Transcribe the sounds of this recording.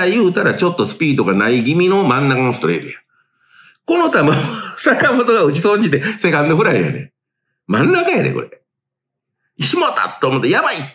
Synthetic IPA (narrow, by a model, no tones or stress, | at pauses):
ajɯ̟ːt̪aɾat͡ɕo̞t̪ːosɨ̥pʲiːd̪o̞ɡanaiɡʲimʲino̞mãnːakanosɨ̥t̪oɾḛɾɯ̰jã | ko̞no̞t̪abɯsakamot̪oɡaɯt͡ɕisõ̞ɲd͡ʑit̪e̞se̞kãnːoɸɯ̟ɾaijo̰nḛ | mãnːakaja̰nḛkoɾḛ | ɕimot̪a̰t̪ːoːmot̪ːejabai